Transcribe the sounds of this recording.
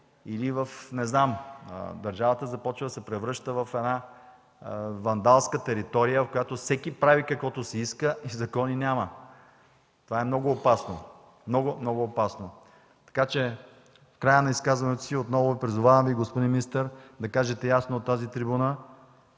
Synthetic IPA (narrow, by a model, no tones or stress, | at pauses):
ilivəfnɛznamə̰d̪ɐɾʒavət̪əzɐpɔt͡ʃvəd̪ɐsɛpɾɛvɾɤʃt̪əvɐfɛna | vɐnd̪alˠskət̪ɛɾit̪ɔɾijəvɐfkojat̪ofsɛkipɾavikɐkvɔt̪osɛiskəʔizɐkɔninʲamə | t̪ovaɛmnɔɡʊːpasno | mnɔɡʊmnɔɡʊːpasno | t̪ɐ̥kat͡ʃɛ | fkɾajənɐiskazvɐnɛt̪osiot̪nɔvoipɾizʊvavɐmviɡospod̪inmʲinist̪əɾd̪ɐkaʒɛt̪ɛjasnoːt̪ːazit̪ɾibunə